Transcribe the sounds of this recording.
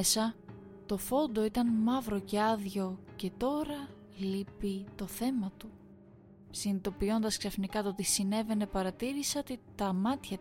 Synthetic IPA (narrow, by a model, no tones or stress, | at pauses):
esɐ | t̪o̞fo̞nd̪o̞it̪ɐnmɐvɾo̞ce̞ɐðʝo̞ce̞t̪o̞ɾɐ | lipit̪o̞θe̞mɐt̪u | sinit̪o̞pio̞nd̪ɐsksɐfnikɐt̪ot̪isine̞ve̞ne̞pɐɾɐt̪iɾisɐot̪et̪ɐmɐt̪çɐ